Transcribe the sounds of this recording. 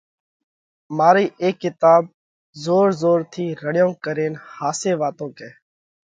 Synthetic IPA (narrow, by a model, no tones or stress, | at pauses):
maːɾiːʔeːkːɪt̪aːb̚ | zoːɾzoːɾt̪ʰiːɾəɽjõːkəɾeːnhaːseːʋaːt̪õːkeː